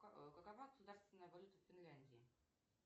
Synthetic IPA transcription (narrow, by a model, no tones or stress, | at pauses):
kəkɐvaɡəsʊd̪arst̪vʲɪnːəjəvɐlʲut̪əfʲːɪnlʲænʲdʲɪɪ